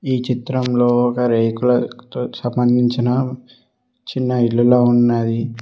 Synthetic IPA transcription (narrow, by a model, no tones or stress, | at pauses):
iːt͡ʃit̪ɾɐmloːɔkɐɾejkulɐt̪oːsɐmbɐnd̪ʱiɲt͡ʃinɐ | t͡ʃinːɐiɭːuloːunːad̪i